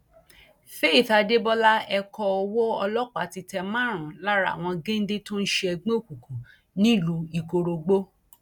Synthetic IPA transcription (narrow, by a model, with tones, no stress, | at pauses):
fe˦i˨ta˧de˦bɔ˦la˦ɛ˧kɔ˧ɔ˧wɔ˦ɔ˧lɔ˦k͡pa˨ti˧tɛ˧mã˦˨ɾ̃ã˨la˦ɾa̰˦˨w̃ɔ̃˧ɡẽ˦n̩˦de˦to˦n̩˦ʃe˧ɛ˧ɡ͡bẽ˦o˦˨ku˨kũ˨ | nĩ˦i˦˨lu˧i˨ko˧ɾo˧ɡ͡bo˦